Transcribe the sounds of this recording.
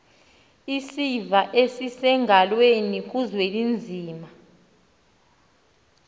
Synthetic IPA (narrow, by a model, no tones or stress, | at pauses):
isivaʔesisɛŋʱalwenik̬uzwelind͡zʱiːma